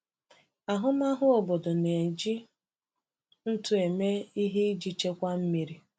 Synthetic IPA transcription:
a˨ɦʊ˦ma˦ɦʊ˦o˨bo˨do˨ne˨d͡ʒi˦ | n̩˦tʊ˨e˨me˦i˦ɦi˦d͡ʒi˦t͡ʃe˦kʷa˦m̩˦mi˦ɾi˦

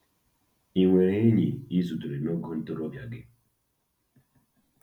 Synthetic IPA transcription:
i˨ŋwɛ˨ɾe˦ɲi˨i˦zu˨tu˨ɾe˨nɔ˦ɡu˦n̩˦tu˦ɾɔ˦vja˨ɡe˨

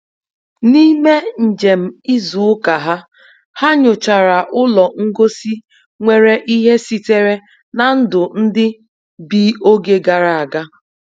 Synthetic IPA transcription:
ni˦me˦n̩˨d͡ʒe˨m̩˨i˦zu˨˦ka˨ɦa˦ | ha˦ɲʊ˨t͡ʃa˨ɾa˨ʔʊ˦lɔ˨ŋ̩˦ɡo˦si˦ | ŋʷe˨ɾe˨ʔi˦ɦe˦si˦te˦ɾe˦ | na˨n̩˦dʊ˨n̩˦dɪ˦ | bi˦o˦ɡe˦ɡa˨ɾa˨a˨ɡa˦

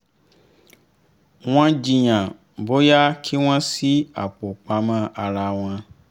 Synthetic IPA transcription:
w̃ɔ̃˧d͡ʒi˨j̃ã˨ | bo˦ja˦kʰi˦w̃ã˦si˦a̰˨k͡po˨k͡pa˧mã˦˨a˧ɾa˧w̃ɔ̃˧

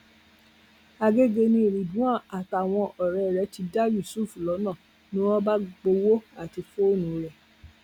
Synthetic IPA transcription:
a˧ɡe˦ɡe˧nĩ˧˦i˨ɾi˨dũ˨˦ã˦˨a˨ta˨w̃ɔ̃˧ʔɔ˨ɾɛ˨˧˨ɾɛ˨˦ti˨˧da˦˨wi˦˨su˦˨fu˨lɔ˨˦nã˦˨ | nĩ˦ɔ˦ba˦ɡ͡bo˧wo˦a˦˨ti˧fo˦o˦˨nũ˨ɾɛ˨

